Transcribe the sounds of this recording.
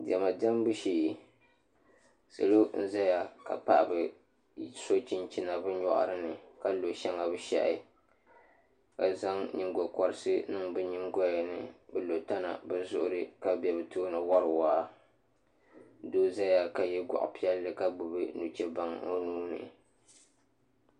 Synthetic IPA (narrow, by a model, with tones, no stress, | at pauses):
dɛ˨ma˨dɛ˦m˦bɨ˦ʃiː˦˨ | sɨ̰˨lo˦n̩˦za˦ja˨ka̰˨pa̰˦ʔbɨ˨ | so˦t͡ʃi˦nt͡ʃi˦na˨bɨ˦ɲɔ˦ʔa̰˦ɾɨ˦nɨ˨ka˦lo˨ʃɛ˦ŋa˨bɨ˦ʃɛ̰˦ʔɪ˦ | ka˨za˦ŋɲi˦ŋɡɔ˨kɔ˦ɾɨ˦sɨ˦nɨ˦ŋbɨ˦ɲi˦ŋɡɔ˦jnɨ˨bɨ˦lo˨ta˦na̰˨bɨ˨zʊ˦ʔʊ˦ɾɨ˦ka˨bɛ˨bɨ˨toː˦nɨ˨wa˦ɾɨ˨waː˦ | doː˦za˦ja˨ka˨jɛ˦ɡʷa̰˨ʔpi˦ɛ˦lːɨ˨ka˦ɡ͡bʊ˨bɨ˦nu˨t͡ʃɛ˦ba˦ŋo˦nuː˦nɨ̰˨